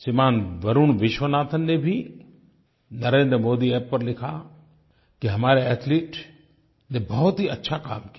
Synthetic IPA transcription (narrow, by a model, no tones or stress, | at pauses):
simaːnʋɐɾuːnʋɪʃʋənaːt̪ʰənːebʱi | nɐɾẽːnd̪ɾəmoːd̪iɛːpːɐɾlɪkʰa | kiɦɐmaːɾeɛt̪ʰleːʈ | nebɐɦʊt̪ɦiɐtːʃʰaka̰ːmki